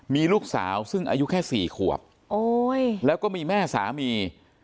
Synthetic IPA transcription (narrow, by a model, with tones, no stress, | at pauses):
miː˧luː˥˩k̚sa̰ː˩˦wsɯ˥˩ŋʔa̰ː˧ju˦˥kʰɛː˥˩siː˨˩kʰu˨˩əp̚ | ʔoː˧jlɛː˦˥wkɔː˥˩miː˧mɛː˥˩sa̰ː˩˦miː˧